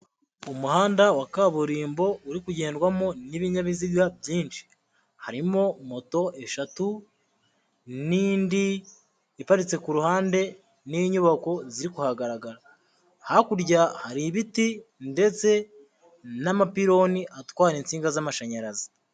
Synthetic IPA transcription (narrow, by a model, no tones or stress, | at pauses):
umuhaːndawakaβuɾiːmbo̞uɾikuɟe̞ːndɡwamo̞niβiɲaβiziɡabɟiːnʃi̥ | haɾimo̞mo̞to̞ʔe̞ʃatu | niːndiː | paɾit͡se̞kuɾuhaːnde̞ | niɲuβako̞ziɾikuhaɡaɾaɡaɾa | hakuɾɟahaɾiβitinde̞t͡se̞ | namapiɾo̞niʔatwaːɾint͡siːŋɡazamaʃaɲaɾazi